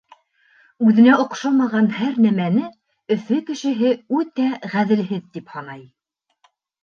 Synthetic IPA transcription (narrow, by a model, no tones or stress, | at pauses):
ʉðɘ̆næŏqʃɑmɑʁɑnhæɾnæmænɘ | ɵ̆fɵkɘ̆ʃɘ̆ɦɘʉt̪æʁæðɘ̆lɦɘðt̪iphɑnɑj